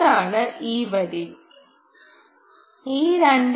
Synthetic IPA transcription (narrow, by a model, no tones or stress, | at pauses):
aːnɐʔiːʋɐɾi | iːɾɐɳɖ